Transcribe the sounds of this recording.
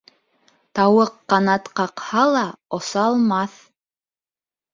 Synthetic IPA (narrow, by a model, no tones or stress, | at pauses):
t̪ɑwɤqːɑnɑt̪qɑqhɑlˠɑŏsɑːlˠmɑθ